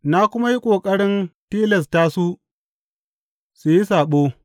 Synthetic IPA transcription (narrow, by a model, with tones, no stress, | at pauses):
na˦kʷʊ˦ma˦ji˦kʷʼoː˨kʼɐ˦ɽɪ˦ntiː˦lɛ˨s̬ta˦su˦ | su˨ji˦saː˨ɓoː˦